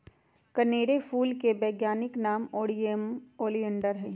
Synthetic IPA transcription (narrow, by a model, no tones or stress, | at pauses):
kɐneːɽefuːlkebɛːɡjaːnɪknaːmoːɽiemoːliə̃ɳɖəɾɦɛ